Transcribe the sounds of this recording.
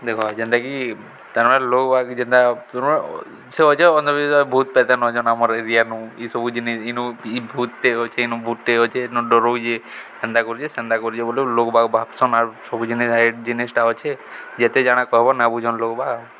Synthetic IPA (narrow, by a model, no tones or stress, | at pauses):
d̪ekʰɔd͡ʒɛnd̪aki | t̪aɾmaɽelokɔbʱaɡd͡ʒind̪at̪ɔɾmae | seɔt͡ʃʰeɔnd̪ɔbisɔjbʱut̪̚pɛt̪anɦɔd͡ʒɔnamɔɾeɾijanuisɔbud͡ʒinisinuibʱut̪ːeɦɔt͡ʃʰeinubʱut̪ːeɔt͡ʃʰenɔɖɔɾod͡ʒe | ɛnd̪akɔɾit͡ʃʰesɛnd̪akɔɾit͡ʃʰebolelokɔbaɡbʱapsɔnaɾsɔbud͡ʒinisajʈd͡ʒinisʈaɦɔt͡ʃʰed͡ʒet̪ed͡ʒaɽ̃akɔɦebɔnabud͡ʒʱɔnlokɔbʱaɡ